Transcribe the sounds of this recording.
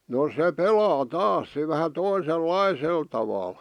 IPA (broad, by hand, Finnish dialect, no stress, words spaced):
no se pelɑː tɑːs se ʋæhæ toiselːɑisel tɑʋɑl